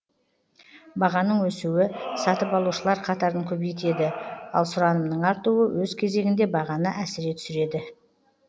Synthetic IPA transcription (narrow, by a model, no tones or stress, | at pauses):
bɑʁɑnəɴwɵsuwɪsɑt̪əpɑlˠuʃəlˠɑɾqʰɑt̪ɑɾəŋkʲʰɵbejt̪e̞d̪ɪɑ̰lˠsʊɾɑnəmnəɴɑɾt̪uwəwʔɵzkʲʰe̞ze̞ɡʲɪnd̪e̞bɑʁɑnəʔæsɪɾe̞t̪ʰʏ̥sɪɾe̞d̪ɪ